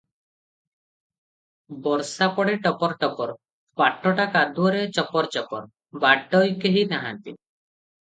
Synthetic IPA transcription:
bɔɾsapɔɽeʈɔpɔɾʈɔpɔɾ | paʈːɔʈakad̪uɔɾet͡ʃɔpɔɾt͡ʃɔpɔɾ | baɖːɔjkeɦinaɦant̪ḭ

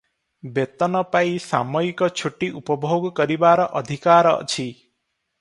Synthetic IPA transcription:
bet̪ɔnɔpaisa̰mɔikɔt͡ʃʰuʈiʔupɔbʱoɡɔkɔɾibaɾɔʔɔd̪ʱikaɾɔ̰t͡ʃʰi

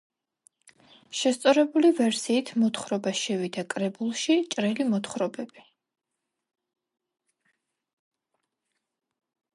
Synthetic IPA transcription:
ʃɛst̪sʼɔɾɛbulivɛɾsiːt̪ʰmɔt̪ʰχɾɔbaʃɛvid̪akʼɾɛbulˠʃit͡ʃʼɾɛlimɔt̪χɾɔbɛbi

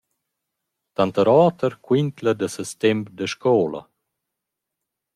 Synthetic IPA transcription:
t̪ant̪əɾaːt̪əɾkwint̪ləd̪əsəst̪ɛmpd̪əʃkɔːla̰

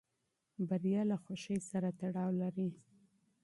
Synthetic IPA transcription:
baɾjɑlaxwaʃəjsaɾat̪aɽɑwlaɾi

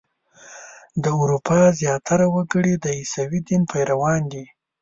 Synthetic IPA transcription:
d̪əuɾupʰɑzjɑt̪ʰaɾawəɡəɽid̪əisawid̪inpʰajɾawɑnd̪i

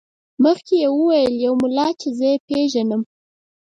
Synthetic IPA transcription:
məxkejewəwajəljawmʊlɑt͡ʃezəjepeʒanəm

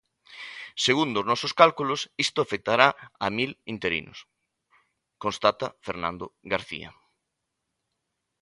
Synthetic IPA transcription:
seɣund̪oznɔsoskalkulʊsist̪ʊafek̚t̪aɾaɐ̰milint̪eɾḭnʊ̰s | kõnst̪at̪ɐfeɾnã̰nd̪oɣaɾθḭɐ̰

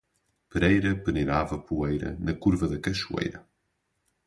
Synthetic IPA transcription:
pɾejɾɐpɨneɾavɐpuejɾɐ̰nɐkuɾvɐðɐkɐʃuḛjɾɐ

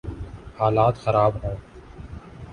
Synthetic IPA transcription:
haːlaːt̪xəɾaːbɦõː

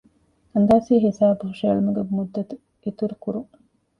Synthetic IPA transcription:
ɐnd̪aːsiːɦisaːbuhuʃelumuɡemud̪ːɐt̪u | it̪uɾukuɾuŋ

